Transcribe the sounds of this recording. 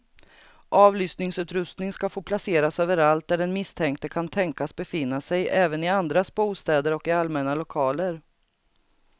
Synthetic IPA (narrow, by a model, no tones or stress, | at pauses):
ʔɑːvlyːsnɪŋsʉ̟ːt̪ɾɵst̪nɪŋskafoːpʰlaseːɾasøːvəɾalt̪̚d̪æɖɛnmɪst̪ʰɛŋk̚t̪əkʰant̪ʰɛŋkasbɛfɪnːasɛjʔɛːvənɪand̪ɾasbuːst̪ɛːd̪əɾɔkɪalmɛnalʊkʰɑːləɾ